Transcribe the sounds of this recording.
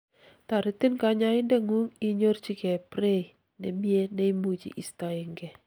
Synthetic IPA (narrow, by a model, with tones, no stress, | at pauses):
t̪a˨ɾɪ˨t̪i˦nka˨ɲa˦ɪ˦ndɛ˦ŋu˦ŋi˦ɲo˦rt͡ʃi˦kɛ˨pɾe˦i˨ | nɛ˨mje˦ne˦i˦mu˨d͡ʒḭ˨ʔi˨sta˨˦ɪ˨ŋɡɛ˨